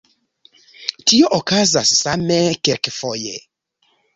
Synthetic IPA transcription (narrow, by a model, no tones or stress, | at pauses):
tioʔokazasːamekɛlkfojḛ